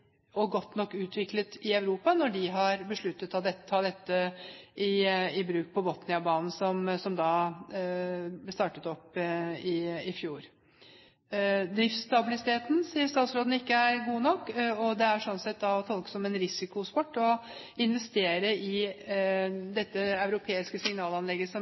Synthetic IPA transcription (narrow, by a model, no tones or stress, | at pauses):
ɔɡɔt̪ːnɔkːʉːt̪ʰʋɪklət̪ɪœʉɾuːpɑnɔɖɪɦɑɾbəʂɭʉt̪ːət̪ɑʋd̪ɛt̪ːət̪ʰɑd̪ɛt̪ːəʔɪɪbɾʉːk̚pʰɔbɔt̪nɪɑbɑːnn̩sɔmsɔmd̪ɑː | st̪ɑːʈət̪ɔpːɪɪfjuːɾ | d̪ɾɪft̪st̪ɑbɪlɪsɪt̪ʰeːt̪n̩siːəst̪ɑːt̪sɾoːd̪n̩ɪkːəæɾɡuːnɔkːɔd̪ɛæʂɔnsɛt̪ːd̪ɑɔt̪ʰɔlkə̥sɔmɛnɾɪsɪkʊspɔʈːɔ | ɪnʋɛst̪eːɾəʔɪ | d̪ɛt̪ːəɑʉɾʊpʰeːɪskəsɪŋnɑːlɑnlɛɡːəsɔm